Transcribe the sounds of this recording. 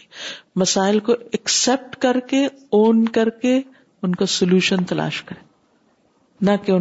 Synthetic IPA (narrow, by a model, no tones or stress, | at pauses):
mɐsaːɪlkoɛksɛp̚ʈkɐɾkeoːnkɐɾke | ʊnkasʊljuːʃənt̪ɐla̰ːʃkɐɾẽː | nɐkeʊ